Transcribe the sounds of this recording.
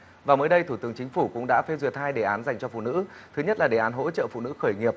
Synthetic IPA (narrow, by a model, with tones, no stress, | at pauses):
vaː˨˩məː˨˦jɗə˧jt̪ʰu˧˩t̪ɨ˨˦əŋt͡ɕï˨˦ŋ̟fu˧˩kʊ̰˧˥ŋ͡mɗa̰ː˧˥fe˧zwi˨˩ət̚haː˧jɗe˨˩ʔaː˨˦nza˨˩jŋ̟t͡ɕɔ˧fṵ˧˨nɨ̰˧˥t̪ʰɨ˨˦ɲə˦˥t̚laː˨˩ɗe˨˩ʔːnɦo̰˧˥t͡ɕə̰ː˧˨fṵ˧˨nɨ̰˧˥xəː˧˩jŋi˨˩əp̚